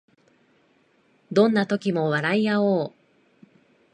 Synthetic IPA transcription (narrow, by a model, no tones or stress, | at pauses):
d̪õ̞nːat̪o̞kʲimo̞βaɾaijaoː